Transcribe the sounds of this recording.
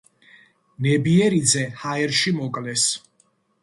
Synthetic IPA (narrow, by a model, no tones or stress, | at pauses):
nɛbiɛɾid̪zɛhaɛɾʃimɔkʼlɛs